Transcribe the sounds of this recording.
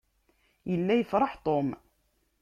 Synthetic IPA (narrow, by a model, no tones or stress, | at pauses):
jəlːæjəfɾˤɑħt̪ˤom